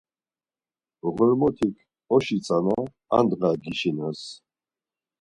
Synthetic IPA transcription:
ʁɔɾmɔt̪ʰikʰ | ɔʃit͡sʼana | a̰nd̪ʁaɡiʃinas

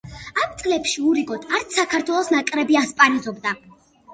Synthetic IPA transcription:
amt̪sʼlɛpʃiuɾiɡʼɔt̪ʰaɾt̪sʰakʰaɾt̪ʰwɛlˠɔsnakʼɾɛbiaspʼaɾizɔbd̪a

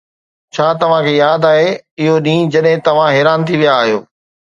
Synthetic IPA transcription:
t͡ɕʰaːt̪ɐʋ̤ãkʰeːjaːd̪aːɦeɪɦoɗĩːd͡ʑɐɗɦɪ̃t̪ɐʋ̤ãɦɛːɾaːnt̪ʰiʋijaːɦijo̰ː

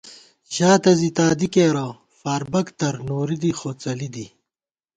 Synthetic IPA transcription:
ɕaːt̪ɐzit̪aːd̪ikeːɾɐ | faːɾbɐkt̪ɐɾnoːɾid̪ixoːt͡sɐlid̪i

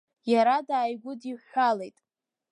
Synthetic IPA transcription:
jaɾadaːjɡʷʊdiħalejtʼ

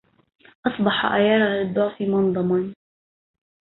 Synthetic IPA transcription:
ʔɑsˤbɑħa̰ʔajɑːɾˤlɪd̪ˤːʊʕfimɑnd̪ˤɑmɑn

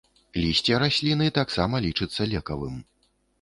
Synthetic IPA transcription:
lʲisʲt͡sʲɛɾasʲlʲinɨt̪aksamɐlʲit͡ʂɨt̪sːɐlʲɛkɐvɨm

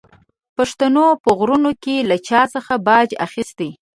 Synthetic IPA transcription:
paʂt̪anopəɣɾunokelat͡ʃɑsəxabɑd͡ʒa̰xist̪e

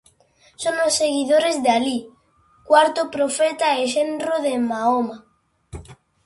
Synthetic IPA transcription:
so̞nlosːe̞ɣiðoɾe̞zðeali | kwaɾt̪opɾofet̪aeʃenroðe̞maoma

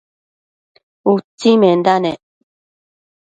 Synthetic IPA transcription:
ut͡simend̪ane

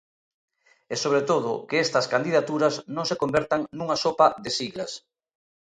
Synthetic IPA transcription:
ɛsoβɾet̪oðʊkeest̪ɐskand̪iðat̪uɾɐznõŋsekombɛɾt̪aŋnuŋasopɐðesiɣlɐs

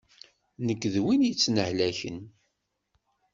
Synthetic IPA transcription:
nəkːðwinjət͡sːnəʕlæçə̰n

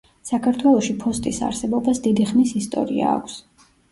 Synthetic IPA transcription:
sakʰaɾt̪ʰwɛlˠɔʃipʰɔst̪ʼisa̰ɾsɛbɔbasd̪id̪iχmisist̪ʼɔ̰ɾḭa̰ːkʷʰs

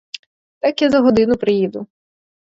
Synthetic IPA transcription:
t̪ɑkjazɐɦɔd̪ɪnʊpɾɪjid̪ʊ

